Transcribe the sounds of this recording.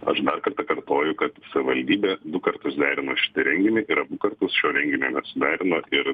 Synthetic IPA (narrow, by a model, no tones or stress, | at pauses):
ɐ̰ʃd̪ɐrkɐɾt̪ɐːkɐrt̪oːjʊkɐt̪sɐʋʲɪʋɐlʲd̪ʲiːbʲeːd̪ʊkɐɾt̪ʊsd̪ʲæːɾʲɪnoːʃʲɪ̥t̪ʲɪɾʲɛŋʲɡʲɪnʲɛɪʔɪɾɐbʊkɐɾt̪ʊsʃʲoːɾʲɛŋʲɡʲɪnʲoːnʲɛsʊd̪ʲæːɾʲɪnoːʔɪɾ